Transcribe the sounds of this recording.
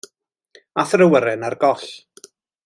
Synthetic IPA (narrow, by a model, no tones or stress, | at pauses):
aθrəwəɾɛnarɡɔɬ